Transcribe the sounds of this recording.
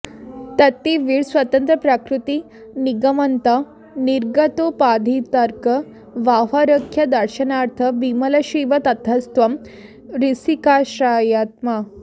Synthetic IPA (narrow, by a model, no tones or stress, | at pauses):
t̪ɐt̪ːiʋiːɭsʋɐt̪ɐnt̪ɾɐpɾakɾut̪i | niɡɐmɐnt̪ɐ | niɾɡɐt̪opad̪ʱit̪ɐɾkə | ʋaɦɐɾəkʰjɐd̪ɐɾʃɐnaɾt̪ʰɐbimɐlɐɕiʋɐt̪ɐt̪ʰɐst̪ʋɐm | ɾisikaːɕɾaːjaːt̪ma